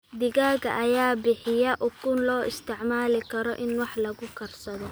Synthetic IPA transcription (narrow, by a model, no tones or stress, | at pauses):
d̪ɪɣaːɡɐ̰ʔɐjaːbɪħɪjɐʔʊkʰʊnlɔːɪst̪ʰɪʕmaːlɪkʰɐɾɔʔɪnwɑħlɐɣʊkʰɐrsɐðɔ